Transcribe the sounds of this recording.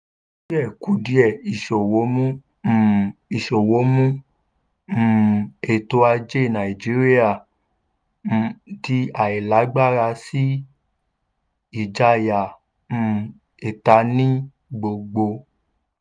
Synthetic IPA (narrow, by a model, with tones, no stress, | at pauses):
ʃi˦ɛ˦˨ku˨˦di˧˦ɛ˨i˨ʃo˨wo˨˦mũ˦˨ | i˨ʃo˨wo˨˦mũ˦˨ | e˨to˧a˧d͡ʒe˦˨nã˨i˨d͡ʒi˨˦ɾi˦a˦˨ | di˦a˨i˨la˨˦ɡ͡ba˦˨ɾa˧si˦ | i˨d͡ʒa˧˨jã˨˦˧ | e˨ta˧nĩ˦ | ɡ͡bo˨ɡ͡bo˧